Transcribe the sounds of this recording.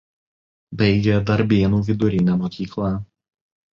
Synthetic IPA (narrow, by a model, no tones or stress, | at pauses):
bɐɪɡʲɛd̪ɐɾʲbʲiɛnuːʋʲɪd̪ʊɾʲɪnʲɛmɔkʲiːklˠɑːˑ